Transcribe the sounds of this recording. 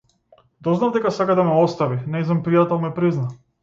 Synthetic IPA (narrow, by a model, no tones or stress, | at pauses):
d̪ɔznavd̪ɛkasakad̪amɛɔst̪avinɛznampɾijat̪ɛlˠmɛpɾizna